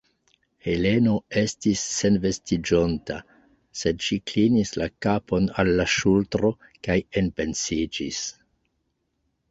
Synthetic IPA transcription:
he̞le̞no̞e̞stisːe̞nve̞stid͡ʒo̞nta | se̞dʃiklinislakapo̞nalːaʃultɾo̞ | kajenpe̞nsid͡ʒis

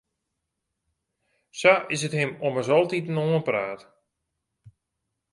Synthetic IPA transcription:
saʔɪs̬əthɪmoməsɔlˠtitənoənpraːt

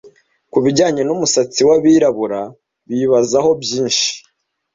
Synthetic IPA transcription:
kuβiɟaːɲe̞numusat͡siwaβiɾaβuɾa | βiβazaɦo̞bjiːnʃi̥

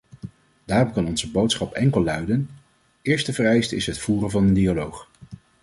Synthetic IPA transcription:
d̥aːrɔmkɑnɔnzəbowtsχɑpɛŋkəlˠːœɥdən | ɪːɹstəvərɛjstɪsɦətfuːrənvɑnəndialowχ

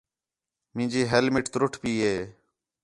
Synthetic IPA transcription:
mɪ̃ːd͡ʒiːɦelmɪʈt̪ɾʊʈʰpiːɦeː

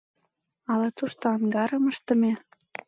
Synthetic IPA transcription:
ɑlɑt̪uʃt̪oɑŋɡɑɾəməʃt̪ə̆me

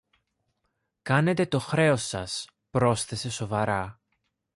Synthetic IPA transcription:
kɐne̞t̪e̞t̪o̞xɾe̞o̞sɐs | pɾo̞sθe̞se̞so̞vɐɾɐ

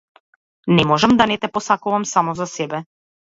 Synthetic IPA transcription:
nɛmɔʒɛmd̪anɛt̪ɛpɔsakuvamsamɔzasɛbɛ

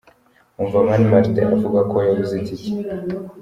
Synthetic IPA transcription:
uɱvamanimaɾt̪eʔavuɡwakʰojaβizitici̥

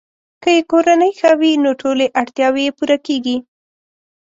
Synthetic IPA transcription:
kəjekoɾanəjxawinoʈoleʔaɽt̪jɑwejepuɾakeɡi

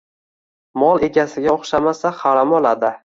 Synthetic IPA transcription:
mɒlˠe̞ɡʲasɪɡʲaoχʃamasaχɑɾamɒlˠad̪ɪ

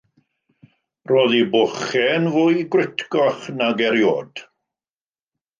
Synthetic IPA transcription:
roːðibʊχɛnvʊjɡwrɪtʰkɔχnaɡɛɾjo̰ːd̥

